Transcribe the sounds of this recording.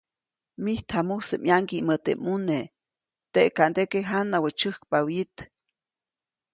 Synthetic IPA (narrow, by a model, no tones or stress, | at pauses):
miht̪ʰhamusəʔmjaŋkimət̪ḛmune | t̪eʔkand̪ekeɦanawət͡ʃəhkpawjit̪